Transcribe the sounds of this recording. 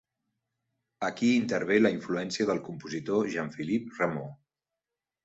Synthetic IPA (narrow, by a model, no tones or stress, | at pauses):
əkiːnt̪əɾβ̞eləiɱfluɛnsiəðəlˠkumpuzit̪oʒaɱfilip̚rəmo